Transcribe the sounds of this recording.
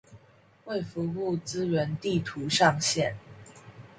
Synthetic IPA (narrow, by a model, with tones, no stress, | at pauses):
we˥˩ɪfu˧˥xu˥˩t͡sɹ̩˥ɥə˧˥nt̪i˥˩t̪ʰu˧˥ʂɑ˥˧ŋɕjɛ˥˩n